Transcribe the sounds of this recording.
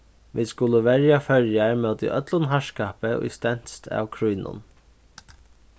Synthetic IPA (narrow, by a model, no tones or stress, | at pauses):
ʋḭskʊləʋɛɹjafœɹjaɹmœːt̪ḭʔœt̪lʊnɦaʃkaːpəʊ̰jst̪ɛn̥st̪ʰa̰ːwkʰɾujnʊ̰n